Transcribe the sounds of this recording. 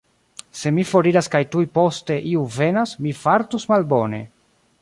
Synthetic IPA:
se̞mifo̞ɾiɾaskajtujpo̞ste̞ʔiuve̞nasmifaɾtusmalbo̞ne̞̰

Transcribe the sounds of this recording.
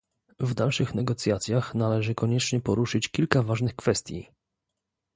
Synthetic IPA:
vd̪alʂɘxnɛɡɔt̪sʲjat̪sʲjaxnalɛʐɘkɔɲɛt͡ʂɲɛpɔɾuʂɘt͡ɕkʲilkavaʐnɘxkfɛst̪ʲjḭ

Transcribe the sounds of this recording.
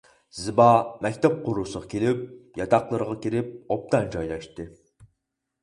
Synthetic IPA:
zɨbɑmɛkʲt̪ʰɛp̚qʰʊɾusəʁɑkʲʰelɪp̚jɑt̪ɑqlˠəɾəʁɑkʲiɾɪp̚op̚t̪ʰɑɛnd͡ʒɑjlˠɑʃt̪ɨ

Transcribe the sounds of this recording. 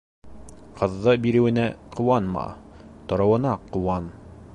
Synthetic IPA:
qʰɤ̆ðːɤbiɾɘ̆wɘ̆næqʰŏwɑnmɑ̰t̪ŏɾɤ̆wɤ̆nɑqːŏwɑn

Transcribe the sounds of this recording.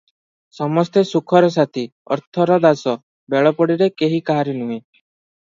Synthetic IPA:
sɔmɔst̪esukʰɔɾɔs̬at̪ʰiɔ̰ɾt̪ʰɔɾɔd̪asɔ | beɭɔpɔɽiɾekeɦikaɦaɾinuɦĩ

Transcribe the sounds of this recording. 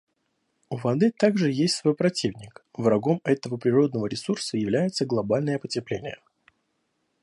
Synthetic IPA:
uvɐd̪ɨt̪aɡʐɨjesʲtʲsvo̞jpɾɐtʲivnʲɪkvrɐɡo̞mɛt̪əvəpɾʲɪɾo̞d̪nəvəɾʲɪsursəjɪvlʲæjɪt̪səɡlˠɐbalʲnəjəpətʲɪplʲenʲɪjə̰

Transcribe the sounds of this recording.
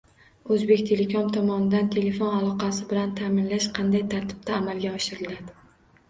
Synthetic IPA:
ɵzbe̞kʲt̪ʰe̞le̞kʰomt̪ʰɒmɒnɪd̪ant̪ʰe̞le̞fonalˠɒqɑsɪbɪlant̪ʰamɪnlaʃqʰɑnd̪ajt̪ʰaɾt̪ʰɪ̥b̥̚t̪ʰaːmalɡʲaɒʃɪɾɪlad̪ɪ

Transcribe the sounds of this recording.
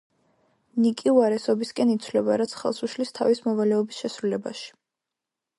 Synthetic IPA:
nikʼiuaɾɛsɔbiskʼɛnit̪sʰvlɛbaɾat̪sʰχɛ̰lˠsuʃlist̪ʰavismɔvalɛɔbisʃɛsɾulɛba̰ʃi̥

